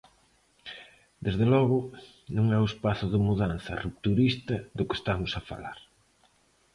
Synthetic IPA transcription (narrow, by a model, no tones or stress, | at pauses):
d̪ezðelɔɣʊ | nõŋɛʊespaθʊðɪmuðan̟θɐ̰rup̚t̪uɾist̪ɐðʊke̥st̪amʊsɐfa̰la̰ɾ